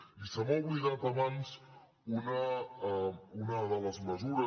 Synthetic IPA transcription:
isəmɔlˠβliðat̪əβans | unə | unəðələzməzuɾə

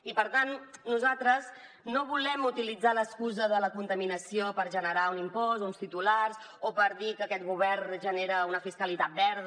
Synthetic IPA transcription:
ipəɾt̪annuzat̪ɾəz | noβulɛmut̪ilid͡zaləskuzəðələkunt̪əminəsiopəɾʒənəɾaunimpɔzunst̪it̪ulaɾs | opəɾðikəːkɛt̪ɣuβɛrnʒəneɾəunəfiskəlit̪at̪̚bɛɾð

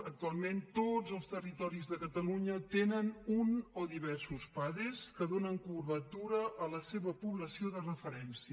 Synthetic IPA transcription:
ək̚t̪ualˠment̪od͡zəlˠst̪ərit̪ɔɾizðəkət̪əluɲət̪enənunoðiβɛɾsuspaðɾeskəðonəŋkuβət̪uɾəʔələseβəpuβləsioðərəfəɾɛnsiə

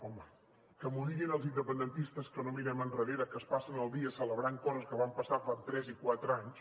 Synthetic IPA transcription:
ɔmə | kəmuɾiɣinəlˠzind̪əpənd̪ənt̪ist̪əskənomiɾɛmənrəðeɾəkəspasənəlˠd̪iəsələβɾaŋkɔzəskəβampəsafant̪ɾɛzikwat̪ɾaɲs

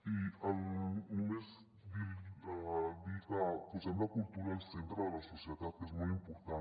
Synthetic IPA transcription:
ialmez | d̪iaðiɣakuzend̪akult̪uɾalsent̪ɾoðelasosjeðaðesmujimpoɾt̪a

